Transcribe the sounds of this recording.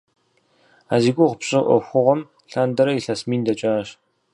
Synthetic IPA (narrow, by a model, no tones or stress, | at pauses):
aːziːɡʷʊʁʊpɕʼɪʔʷɔ̰xʷʊʁʷɔm | ɬaːndɐɾɐiɬɐsmiːndɐt͡ʃʼaːɕ